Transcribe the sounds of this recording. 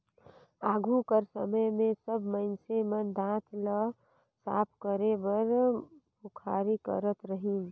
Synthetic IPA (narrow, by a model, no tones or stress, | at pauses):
aːɡʱukəɾsə̰məjmẽsəbməɪnsemənd̪ãt̪ʰlə | sa̰ːpʰkəɾebəɾbukʰaɾikə̰ɾət̪ɾəɦin